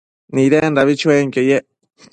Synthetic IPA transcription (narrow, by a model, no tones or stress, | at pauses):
nĩɾenɾaβit͡ʃueŋkeje